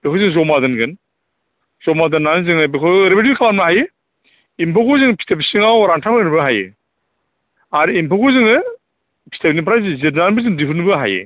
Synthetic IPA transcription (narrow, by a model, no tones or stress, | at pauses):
b̥ekʰɔwzɯŋzɔmadɯnɡɯn | z̥ɔmadɯnːanɯzɯŋɯbekʰɔɾebedibikʰalamnaɦajɯ | impʰɔkʰɔzɯŋpʰi̥tʰepsiŋawɾaŋtʰapʰanɯbɯɦajɯ̰ | aɾimpʰɔkʰɔzɯŋɯ | pʰi̥tʰepnipʰɾazɯzɯtnanbɯzɯŋdipʰɯnbɯɦa̰jɯ̰